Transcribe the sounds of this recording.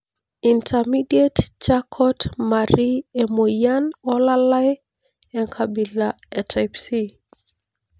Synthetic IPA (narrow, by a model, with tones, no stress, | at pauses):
i˨ntʰami˦die˦tt͡ʃakʰɔ˦tmaɾie˨mo˨ja˦nɔ˦la˦la˦ | ɛnkʰabi˨laɛ˨tʰapsi